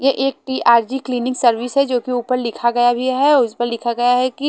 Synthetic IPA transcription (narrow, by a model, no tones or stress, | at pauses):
jeʔeːk̚ʈiːʔaːɾd͡ʒikliːnɪ̃ŋɡsɐɾʋɪsɦɛd͡ʒoːkiuːpəɾlɪkʰaɡɐjabʱiɦɛʊspəɾlɪkʰaɡɐjaɦɛki